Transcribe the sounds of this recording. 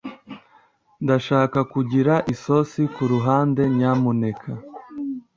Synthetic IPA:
ndaʃaːkakuɟiɾaʔiso̞sikuɾuɦaːnde̞ɲaːmune̞kʰa

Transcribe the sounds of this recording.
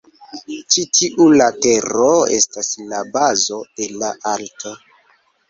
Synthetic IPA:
t͡ʃitʰiʔulate̞ɾoe̞̰staslabazo̞d̥e̞laʔaltʰo̞

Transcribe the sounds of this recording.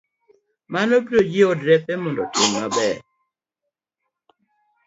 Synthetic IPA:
manobiɾod͡ʒɪodɾɛpemɔndɔtɪmmabɛ

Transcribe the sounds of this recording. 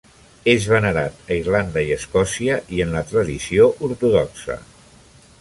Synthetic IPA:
ezβənəɾat̪əirland̪əiəskɔsiəʔiənlət̪ɾəðisioʔuɾt̪uðɔksə̰

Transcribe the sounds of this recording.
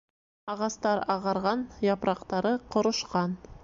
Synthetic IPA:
ɑʁɑst̪ɑɾɑʁɑɾʁɑnjɑpɾʔɑqt̪ɑɾɤqŏɾŏʃqɑn

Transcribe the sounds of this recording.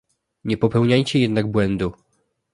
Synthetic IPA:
ɲɛpɔpɛwɲajt͡ɕɛjɛd̪naɡ̚bwɛnd̪u

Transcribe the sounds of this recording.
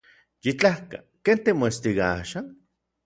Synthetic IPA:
jit͡ɬahka̰ | kent̪emoest̪iɣaa̰ʃan

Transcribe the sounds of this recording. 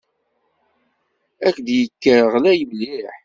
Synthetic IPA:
ækd̪jəkːəɾʁlæjəmliħ

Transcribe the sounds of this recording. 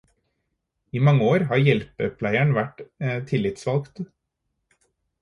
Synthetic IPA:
iːmɑŋːəoːɾɦɑːɾjɛlpəpʰlæɪæɳʋæʈːt̪ʰɪlːɪt̪sʋɑlkt̪

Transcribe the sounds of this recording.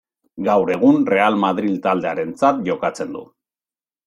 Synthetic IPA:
ɡawɾe̞ɣ̞unre̞almaðɾilt̪ald̪e̞aɾe̞nt͡sat̪ʝo̞kat͡se̞nd̪ṵ

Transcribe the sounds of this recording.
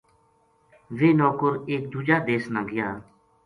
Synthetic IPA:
ʋeːnɔːkəɾeːk̚d̪uːd͡ʒaːd̪eːsnaːɡɪjaː

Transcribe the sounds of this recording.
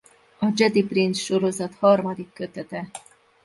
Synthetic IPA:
ɒd͡ʒɛd̪iprinsʃo̞ɾo̞zɒt̪hɒrmɒd̪ikːø̞t̪ɛt̪ɛ

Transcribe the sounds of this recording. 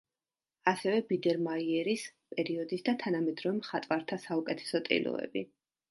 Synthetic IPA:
asɛvɛbid̪ɛɾmaiɛɾispʼɛɾiɔd̪isd̪at̪ʰanamɛd̪ɾɔvɛmχat̪ʼwaɾt̪ʰasaukʼɛt̪ʰɛ̥sɔt̪ʼḭlɔ̰ɛ̰bi

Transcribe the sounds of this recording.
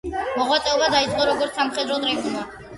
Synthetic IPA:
mɔʁwat̪sʼɛɔbad̪ait̪sʼqʼɔɾɔɡɔɾt̪samχɛd̪ɾɔt̪ʼɾɛʒma

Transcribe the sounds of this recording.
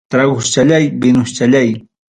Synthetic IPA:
t̪ɾaɡʊst͡ʃaʎajbɪnʊʃt͡ʃaʎaj

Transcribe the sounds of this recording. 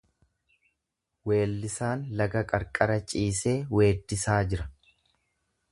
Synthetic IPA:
we̞ːlːɪsaːnlɐɡɐkʼɐɾkʼɐɾɐt͡ʃʼiːseːwe̞ːd̪ːɪsaːd͡ʒɪɾɐ

